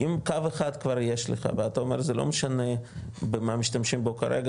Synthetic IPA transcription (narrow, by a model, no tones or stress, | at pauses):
imkaveχad̪kvaɾjeʃleχa̰veat̪aomeɾzelo̰meʃanebemamiʃt̪amʃimbokaɾeɡa